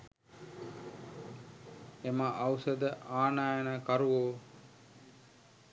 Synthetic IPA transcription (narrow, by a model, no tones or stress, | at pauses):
emaʔawsəd̪əʔaːnaːjənəkaɾuʋoː